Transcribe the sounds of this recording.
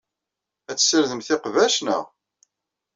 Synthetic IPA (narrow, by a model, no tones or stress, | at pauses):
æt͡sːsəɾðəmθɪqvæʃnə̰ʁ